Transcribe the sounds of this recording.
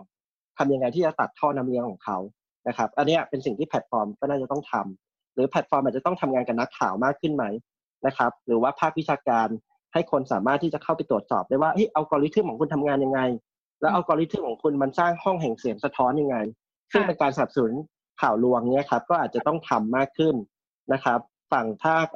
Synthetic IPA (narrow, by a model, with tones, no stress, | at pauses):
t̪ʰa˧mja˧ŋa˧jt̪ʰiː˥˩t͡ɕa˨˩t̪a̰˨˩t̪̚ʰːɔː˥˩na˦˥mli˧˥əŋkʰɔː˩˦ŋkʰa˦˥w | na˦˥kʰa˦˥p̚ʔa˧nːi˦˥a˨˩pe˧nsi˨˩ŋt̪ʰiː˥˩pʰɛ˨˩t̪̚fɔː˧mkɔː˥˩naː˥˩t͡ɕa˨˩t̪ɔ˥˩ŋt̪ʰa˧m | ɾɯː˩˦pʰɛ˨˩t̪̚fɔː˧maː˨˩t͡ɕa˨˩t̪ɔ˥˩t̪ʰa˧mŋaː˧nka˨˩na˦˥kʰːa̰ː˨˩wmaː˥˩kʰːɯ˥˩nma˦˥j | na˦˥kʰa˦˥p̚ɾɯː˩˦waː˥˩pʰaː˥˩k̚wi˦˥t͡ɕʰaː˧kaː˧n | ha˥˩jkʰo˧nsa̰ː˩˦maː˥˩t̪ʰːiː˥˩t͡ɕa˨˩kʰa˥˩wpa˧jt̪u˨˩ət̪̚sɔ̰ː˨˩p̚da˥˩waː˥˩ʔe˦˥˩jʔa˧wkɔː˧li˦˥t̪ʰɯ˥˩kʰɔː˩˦kʰu˧nt̪ʰa˧mŋaː˧nja˧ŋːa˧j | lɛː˦˥wʔa˧wkɔː˧li˦˥t̪ʰɯ˥˩kʰɔː˩˦ŋkʰu˧nma˧nsaː˥˩ŋhɔ˥˩ŋɦɛ˨˩ŋsi˨˩˦əŋsa˧t̪ʰɔː˦˥nja˧ŋːa˧j | sɯ˥˩ŋpe˧nkaː˧nsa˧na˨˩p̚sa˧nu˩˦n | kʰaː˨˩wlu˧əŋni˦˥ɐkʰa˦˥p̚kɔː˥˩ʔaː˨˩t̪̚t͡ɕa˨˩t̪ɔ˥˩ŋt̪ʰa˧mːaː˥˩kʰːɯ˥˩n | na˦˥kʰa˦˥p̚ | fa˨˩ŋpʰaː˥˩k̚